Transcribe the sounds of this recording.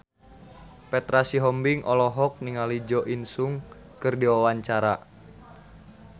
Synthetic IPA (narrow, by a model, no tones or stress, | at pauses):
pɛt̪ɾasiɦɔmbiŋʔɔlɔɦɔk̚niŋalid͡ʒɔʔinsuŋ | kɨrdiwawaɲt͡ʃaɾa